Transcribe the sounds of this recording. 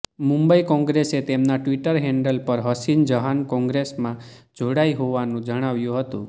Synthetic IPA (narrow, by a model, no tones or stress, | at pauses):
mũmbəikɔ̃ŋɡɾeset̪emnaʈʋiʈəɾɦɛɳɖəlpəɾɦəsind͡ʒəɦankɔ̃ŋɡɾesmã | d͡ʒoɽaiɦoʋanũd͡ʒəɽ̃aʋjũɦət̪ṵ̃